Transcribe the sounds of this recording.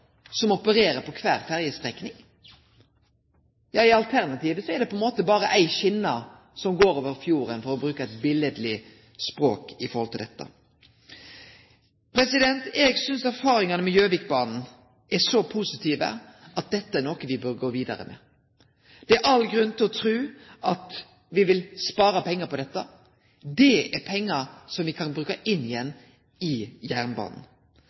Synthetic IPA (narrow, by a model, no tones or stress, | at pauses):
sɔmɔpəɾeːɾəpʰɔkʰʋæːʁfæʁjəst̪ʁɛknɪŋ | jɑːɪɑlt̪ʰæʁnɑt̪iːʋəsɔɛɾɖ̪ɛpʰɔɛnmoːt̪əbɑːɾəʔæɪçɪnːɑ | sɔmɡoːɾoːʋəɾfjuːɾənfɔɾɔbɾʉːkəɛɪt̪bɪləd̪lɪ | spɾo̰ːkɪfɔɾhɔlt̪ʰɪld̪ɛt̪ːə̰ | pʰɾɛsɪd̪ɛnt̪ɛɡsʏnsæɾfɑːɾɪŋɑnəmɛjøːʋɪk̚bɑːnn̩ | ɛsɔpʰusɪt̪ʰiːʋə̰ʔɑt̪̚d̪ɛt̪ːəænokəʋɪbœɾɡoːʋiːd̪ɑɾə̰mʔɛ̰ | d̪̥ɛæɾʔɑlːɡɾʉnt̪ʰɪlɔt̪ʰɾʉːʔɑt̪ | ʋɪʋɪlspɑːɾɑpʰɛŋːəpɔd̪ɛt̪ːə | d̪ɛæɾpʰɛŋːəsɔmʋɪkʰɑnbɾʉːkəʔɪnːɪjɛnː | ɪjæʁnbɑ̰ːnn̩